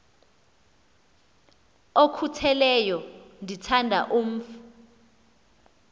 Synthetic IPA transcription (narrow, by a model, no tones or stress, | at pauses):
okʰutʰɛlɛjɔndʱitʰandʱa̰ʔum̩ːfu